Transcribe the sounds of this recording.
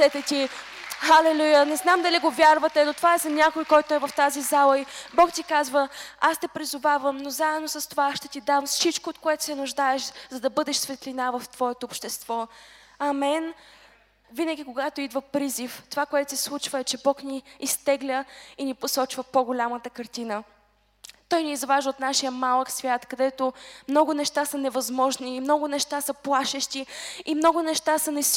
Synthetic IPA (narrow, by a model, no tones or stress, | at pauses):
sɛt̪ɛt̪ʲi | xɐlɛlʲujənɛznamd̪ɐliɡovʲjaɾvət̪ɛnot̪ovaɛzɐnʲakojkɔjt̪oɛvɐft̪azizalˠəibɔkt̪ikazvəast̪ɛpɾizʊvavəmnozaɛd̪nosɐst̪ovaʃt̪ɛt̪id̪amsit͡ʃkoːt̪koɛt̪ʊ̥sɛnʊʒd̪aɛʃzɐd̪ɐbɤd̪ɛʃsvɛt̪linavɐft̪v̥ɔɛt̪oːpʃt̪ɛst̪vɔ | ɐmɛn | vinəɡʲikoɡat̪oid̪vəpɾizift̪ovakoɛt̪o̥sɛslˠut͡ʃvəɛt͡ʃɛbɔkniːst̪ɛɡlʲəiniposɔt͡ʃvəpoɡʊlʲamət̪əkɐɾt̪inə | t̪ɔjniːzvaʒəot̪naʃijəmalˠəksvʲjat̪kɐd̪ɛt̪omnɔɡʊnɛʃt̪asɐnɛvɐzmɔʒniːmnɔɡʊnɛʃt̪asɐplˠaʃɛʃt̪iimnɔɡʊnɛʃt̪asənɛ